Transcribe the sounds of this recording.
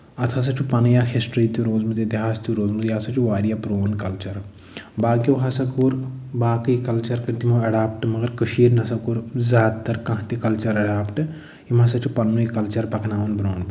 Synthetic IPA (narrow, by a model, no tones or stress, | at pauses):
ɐt̪ʰɐs̬ɐt͡ʃʰupɐnjaxʰesʈɾiːt̪uɾoːzmɨt̪ed̪iɦaːst̪uɾoːzmɨt̪jɐsɐt͡ʃʰuʋaːɾijapɾoːnkɐlt͡ʃɐɾ | baːkjoːɦɐsɐkuːɾbaːkɨikɐlt͡ʃɐɾkəɾt̪imoɐɖaːpʈɨmɐɡɐɾkəʃiːɾnɐsɐkuːɾzaːd̪̚t̪ɐɾkɐ̃ɦt̪ikɐlt͡ʃɐɾɐɖaːpʈɨ | imɐsɐt͡ʃʰupɐnːuikɐlt͡ʃɐɾpɐkʰnaːʋɐnbɾoːn